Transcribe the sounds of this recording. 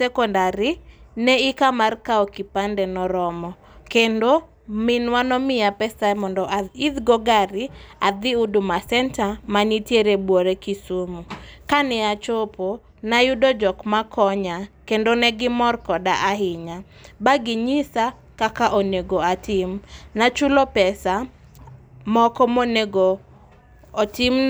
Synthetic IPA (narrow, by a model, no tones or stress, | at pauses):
sɛkɔndaɾɪnɛɪkamarkaokipandɛnɔɾɔmɔ | kendo | mɪnwanɔmɪapɛsamɔndɔʔaid̪ɡɔɡaɾɪad̪ɪudumasɛntamanitjeɾebwoɾekisumukanɛat͡ʃopo | najʊdɔd͡ʒɔkmakʰɔɲakendonɛɡɪmɔrkɔdaʔaɦɪɲa | baɡɪɲisa | kakaʔoneɡoatɪmnat͡ʃulopɛsa | mɔkɔmoneɡoː | tɪm